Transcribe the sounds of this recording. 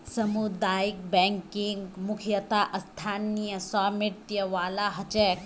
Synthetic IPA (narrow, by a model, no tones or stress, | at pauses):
sɐmud̪aːjik̚bɛŋkiŋɡmukʰjɐt̪aʔɐst̪ʰaːnijɐsaːmiʈ̪jɐʋaːlaɦɐt͡ʃek